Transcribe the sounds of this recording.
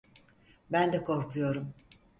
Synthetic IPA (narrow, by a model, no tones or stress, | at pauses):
bænd̪ɛkʰo̞ɾkʰujo̞ɾum